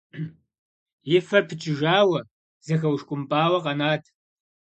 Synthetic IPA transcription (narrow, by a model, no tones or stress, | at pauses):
jɪfɐpʰɨt͡ʃʼɪʒaːwɐ | z̥ɨxɐwʂkʷʼʊmpʼaːwɐqɐnaːtʰ